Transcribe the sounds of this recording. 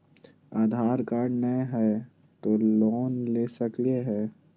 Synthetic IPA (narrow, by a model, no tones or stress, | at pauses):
aːd̪ʱaːɾkaːɾɖnəɦɛː | t̪oːloːnleːsəklieɦɛː